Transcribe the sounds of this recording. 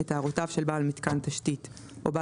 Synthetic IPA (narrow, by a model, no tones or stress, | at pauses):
etaːʁotavʃelbaːlmitkantaʃtit | ʔoba